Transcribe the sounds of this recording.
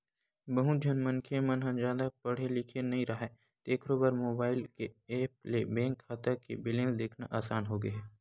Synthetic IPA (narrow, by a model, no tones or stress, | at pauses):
bəɦũd͡ʒʱɐnmənkʰemɐnɦɐ̃nd͡ʒaːd̪apɐɽ̤elɪkʰenɐɦĩɾɐɦa | t̪eːkʰɾoːbəɾmoːbaːɪlkeeːp̚lebɛ̃ːŋkʰːaːt̪əkebɪlẽːnsd̪eːkʰna̰ʔaːsaːnɦoːɡəɦɛː